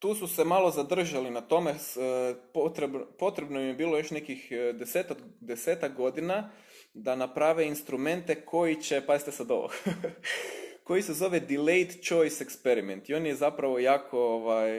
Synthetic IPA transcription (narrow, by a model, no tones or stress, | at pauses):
t̪uːsuse̞malˠo̞zad̪r̩ʒalinat̪o̞mespot̪ɾebpo̞t̪ɾebnomjebiːlˠojo̞ʃne̞kixd̪eseːt̪akd̪e̞seːt̪ak̚ɡo̞d̪ina | d̪anapɾaʋeinst̪ɾume̞nt̪e̞kʰo̞jit͡ɕepazit̪esad̪o̰ʋo̰k | ko̞jisezo̞ʋed̪ile̞jt̪t͡ʃo̞jsekspeɾiment̪io̞ːnjezapɾaʋo̞jaːkʰo̞oʋaj